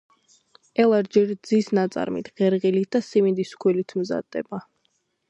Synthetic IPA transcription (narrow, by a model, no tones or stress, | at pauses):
ɛlˠaɾd͡ʒiɾd̪zisnat̪sʼa̰ɾmḭt̪ʰʁɛɾʁilit̪̚ʰd̪asimid̪iskʰwilit̪ʰmza̰d̪ːɛba